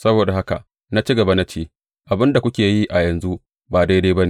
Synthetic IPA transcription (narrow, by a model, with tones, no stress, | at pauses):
sɐ˦boː˨da˨ha˦ka̰˨ | na˦t͡ʃi˦ɡɐ˨ba˦na˦t͡ʃeː˦ | ʔa˨bɪ˦nda˨kʷʊ˦kʲeː˨ji˦ʔa˨jɐ˨nzu˦ʔ | baː˨da˦jda˦bɐ˦ne˨